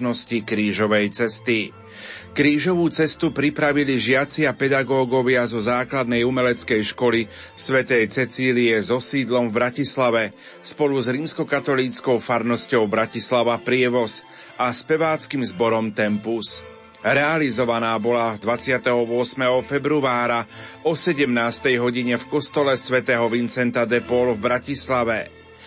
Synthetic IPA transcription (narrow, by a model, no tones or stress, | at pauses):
nɔscikɾiːʒɔʋɛjt͡sɛst̪i | kɾiːʒɔʋuːt͡sɛst̪upɾipɾaʋiliʒɪat͡sɪapɛd̪aɡɔːɡɔʋɪazɔzaːklad̪nɛjumɛlɛt͡skɛjʃkɔli | sʋɛt̪ɛjt͡sɛt͡siːliɛzɔsiːd̪lɔmvbɾacislaʋɛ | spɔluzɾiːmskɔkat̪ɔliːt͡skɔʊfaɾnɔscɔʊbɾacislaʋapɾɪɛʋɔs | aspɛʋaːt͡skimzbɔɾɔmt̪ɛmpus | ɾɛalizɔʋanaːbɔlad̪ʋat͡sɪat̪ɛɦɔʋʊɔsmɛɦɔfɛbɾuaːɾaɔsɛɟɛmnaːst̪ɛjɦɔɟiɲɛfkɔst̪ɔlɛsʋɛt̪ɛːɦɔʋint͡sɛnt̪ad̪ɛpɔlvbɾacislaʋɛ